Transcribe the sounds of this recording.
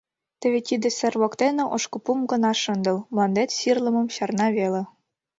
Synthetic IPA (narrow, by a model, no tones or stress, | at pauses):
t̪ɘ̆βʲet̪id̪ɘ̆sʲɘ̆rβokt̪enĕʔoʃkɤ̆pumɡɤ̆nɑʃɤ̆nd̪ɤ̆lˠmlˠɑnd̪et̪ɕirlˠɤ̆mɤ̆mɕɑrnɑβelʲĕ